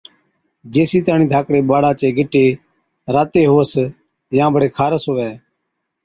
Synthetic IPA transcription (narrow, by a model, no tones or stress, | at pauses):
d͡ʒeːsiːt̪aːniːd̪ʱaːkɽeːɓaːɽaːt͡ʃeːɡɪʈeː | ɾaːt̪eːɦoːəs | jãːbəɽeːkʰaːɾəsoːʋɛː